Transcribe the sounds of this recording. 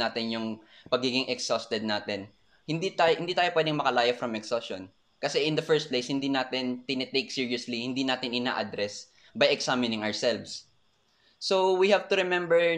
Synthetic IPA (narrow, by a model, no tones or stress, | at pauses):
aːt̪ɪnjʊŋpɐɡiːɡɪŋʔɛksost̪ɛd̪̚naːt̪ɛn | hɪ̃nd̪it̪ajhɪnd̪iːt̪aːjopwɛːd̪ɪŋmɐkɐlaːjɐfɾɐmɛksoson | kɐsɛʔɪnd̪ɐfɛɹst̪̚plejshɪnd̪iːnaːt̪ɪnt̪ɪnɛt̪ejk̚siɹioslihɪnd̪iːnaːt̪ɪnɪna̰ːʔɐd̪ɾɛs | bɐjɛksamɪnɪŋɐɹsɛlvsː | owihavt̪ʊɾɛmɛ̃mbɛɹ